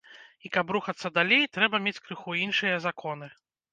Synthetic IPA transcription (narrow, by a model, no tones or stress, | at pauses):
ikɐpɾuxɐt̪sːɐd̪alʲejt̪ɾɛbɐmʲet͡sʲkɾɨxuinʂɨjɐzakɔn̪ɨ